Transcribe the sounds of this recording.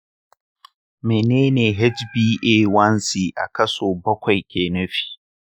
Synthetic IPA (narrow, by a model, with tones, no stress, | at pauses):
meː˨neː˦neː˨ɦɛ˦d͡ʒbiː˦ʔeː˦wɐ˦nsiː˨ʔa̰˨kɐ˦soː˨bɐ˦kʷa˨jkʲeː˨nɐ˦ɸi̥˦